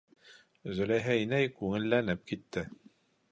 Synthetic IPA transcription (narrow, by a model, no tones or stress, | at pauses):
zɵ̆læjɦæjnæjkʉŋɘ̆lːænɘp̚kit̪ːɘ